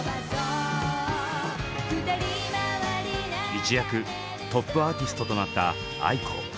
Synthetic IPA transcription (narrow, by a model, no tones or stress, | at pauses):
ɲʲit͡ɕijakɯ̟ | t̪o̞pːɯ̟aːt̪ʲisɨ̥t̪o̞t̪o̞nat̪ːa̰ | a̰ikʰo̰